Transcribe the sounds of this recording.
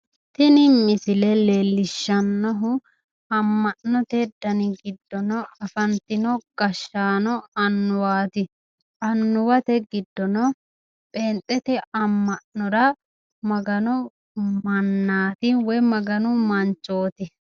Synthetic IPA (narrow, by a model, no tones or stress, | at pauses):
t̪ɪnɪmːɪsɪlɛleːlːɪʃːɐnːɔɦʊ | ɐmːɐʔnɔt̪ɛd̪ːɐnɪɡɪd̪ːɔnɔɐfɐnt̪ɪnɔɡ̥ɐʃːaːnɔɐnːʊwaːt̪ɪ | ɐnːʊwɐt̪ɛɡɪd̪ːɔnɔ | pʼeːnt̪ʼɛt̪ɛɐmːɐnːɔɾɐ | mɐɡɐnʊ | mɐnːaːt̪ɪwɔjmɐɡɐnʊmɐnt͡ʃːo̞ːt̪ɪ